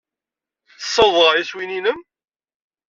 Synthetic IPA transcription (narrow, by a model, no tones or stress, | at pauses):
θsːɑwðˤʁjæswininəm